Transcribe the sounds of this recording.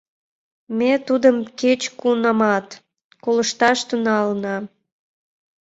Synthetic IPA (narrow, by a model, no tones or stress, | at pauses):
mʲet̪ud̪əmket͡ɕkunɑmɑt̪ | koləʃt̪ɑʃt̪unɑlnɑ